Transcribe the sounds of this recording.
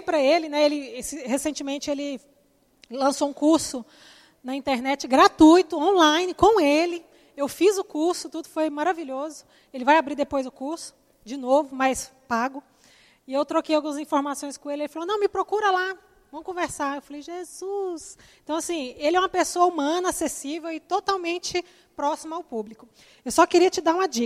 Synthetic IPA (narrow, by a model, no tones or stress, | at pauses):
jpɾɐelɪnɛelɪsɪhesẽnt͡ʃɪmẽnt͡ʃɪelɪ | lɐ̃soũkuɾsʊ | nɐĩnt̪eɾnɛt͡ʃɪɡɾat̪ujt̪ʊõlajnɪkõw̃elɪ | ewfizʊkuɾsʊt̪ud̪ʊfojmaɾaviʎʲozʊ | elɪvajabɾiɾd̪epojzʊkuɾsʊ̥ | d͡ʒɪnovʊmɐjspaɡʊ | ɪewt̪ɾokejawɡũmɐzĩfoɾmasõj̃skõelɪelɪfalonɐ̃w̃mɪpɾokuɾɐla | vɐ̃mʊkõveɾsaɾewfalejʒezusẽt̪ɐ̃w̃asĩelɪɛũmɐpesoɐumɐ̃nɐasesivewɪt̪ot̪awmẽnt͡ʃɪ | pɾɔsimɐawpublikʊ | ewsɔkɪɾiɐt͡ʃɪd̪aɾũmɐd͡ʒik